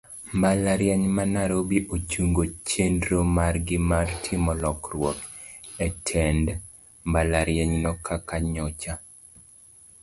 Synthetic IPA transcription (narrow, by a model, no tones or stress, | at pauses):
mbalaɾjɛɲmanaɾobiʔot͡ʃuŋɡot͡ʃendɾomarɡɪmartʰimɔlɔkrwɔkɛtʰɛnd | mbalaɾjɛɲnɔkʰakaɲɔt͡ʃa